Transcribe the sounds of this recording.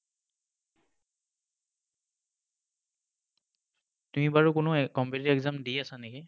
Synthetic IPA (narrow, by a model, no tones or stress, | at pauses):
tumibaɹukʊnʊkɔmpitɛkzamdiasanɛki